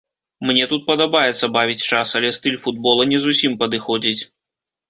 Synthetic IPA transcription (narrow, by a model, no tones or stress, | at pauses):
mnʲɛt̪ut̪̚pɐd̪ɐbajɛt̪sːɐbavʲit͡sʲt͡ʂasɐlʲɛst̪ɨlʲfud̪bɔlˠɐnʲɛzusʲimpɐd̪ɨxɔd͡zʲit͡sʲ